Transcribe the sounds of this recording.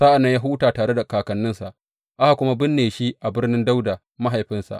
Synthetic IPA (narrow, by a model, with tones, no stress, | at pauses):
sa˦ʔa˨nːɐ˦ɲja˦ɦu˦taː˨taː˨ɽe˦da˨kaː˨kɐ˨nːɪ˦nsa˨ʔ | ʔa˦a˨kʷʊ˦ma˦bɪ˦nːeː˨ʃi˦ʔa˨bɪ˦rnɪ˦nda˦wda˨ | ma˦ɦa˨jɸɪ˦nsa̰˨ʔ